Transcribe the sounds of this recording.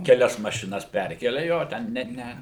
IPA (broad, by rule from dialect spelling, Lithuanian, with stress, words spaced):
kʲɛˈlʲɛs mɐʃʲɪˈnɐs ˈpʲɛrʲkʲɛlʲɛ ˈjoː ˈtʲɛn nʲɛt ˈnʲɛ